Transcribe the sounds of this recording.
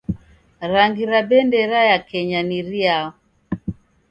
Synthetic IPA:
ɾaŋɡiɾabɛndɛɾajakɛɲaniɾiaɔ

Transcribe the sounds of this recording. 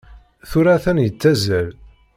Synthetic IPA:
θuɾæθænjət͡sːæzæl

